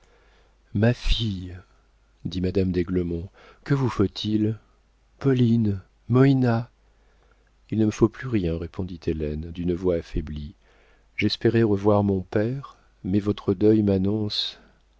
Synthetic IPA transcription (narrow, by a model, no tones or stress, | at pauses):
mafij | d̪imad̪amd̪eɡləmɔ̃ | kəvufot̪ʰil | pɔlin | mɔina | ilnəməfoplyʁjɛ̃ʁepɔ̃d̪it̪ʰelɛnd̪ynəvwaːfɛbli | ʒɛspeʁɛʁəvwaʁmɔ̃pɛʁ | mɛvɔt̪χəd̪œjmanɔ̃s